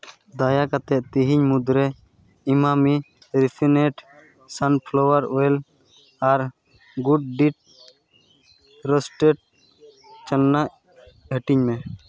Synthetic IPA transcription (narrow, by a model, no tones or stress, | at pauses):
d̪ajakat̪ɛʔt̪iɦiɲmud̪ɾɛ | imami | ɾipʰineʈ | sanpʰlɔwaɾɔɛl | aɾ | ɡuɖ̚ɖiʈ̚ | ɾəsʈeʈ̚ | t͡ʃənːaʔ | ɦəʈiɲmɛ̃